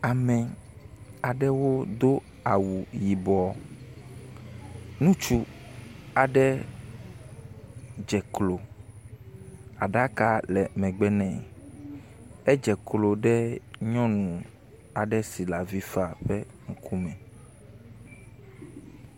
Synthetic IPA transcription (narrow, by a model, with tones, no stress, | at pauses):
a˨mɛ̃˨ | a˨ɖɛ˦wo˦d̪o˦ | a˨wu˨ji˨bɔ˨ | nũ˦t͡ʃu˦ | a˨ɖɛ˦ | d͡ʒɛ˨klo˨ | a˨ɖa˦ka˦lɛ˨mɛ̃˨ɡ͡bɛ˦nɛ̃˨ | ɛ˦d͡ʒɛ˨klo˨ɖɛ˦ɲɔ̃˦nũ˨ | a˨ɖɛ˦si˨la˨vi˦fa˨ɸɛ˦ | ŋ̩˨kʰu˦mɛ̃˨